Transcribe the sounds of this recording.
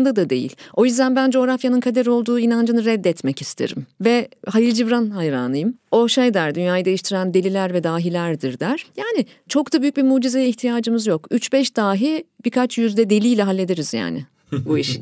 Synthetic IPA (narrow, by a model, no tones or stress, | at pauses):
nd̪ad̪ad̪e̞̰jḭlʲo̞jyzd̪ænbænd͡ʒo̞ːɾafjanɯnkʰad̪eɾo̞lˠd̪uːinand͡ʒɯnɯɾɛd̪ːɛt̪mɛcist̪ʰḛɾḭmvɛɦajilʲd͡ʒivɾanhajɾa̰ːnɯjɯmo̞ʃejd̪æɾd̪ynjaːjɯd̪e̞jiʃt̪ʰiɾænd̪elʲilʲæɾvɛd̪aːɦilʲæɾd̪iɾd̪æɾ̥jaːnɪ | t͡ʃʰo̞kd̪abyjyc̚ʲbimuːd͡ʒizɛjɛiçt̪ʰijaːd͡ʒɯmɯzjo̞kyt͡ʃbɛʃd̪aːɦibikʰat͡ʃjyzd̪ɛd̪e̞lʲijlʲɛɦalʲːe̞d̪eɾiz̥ja̰ːnɪ̰ | buiʃ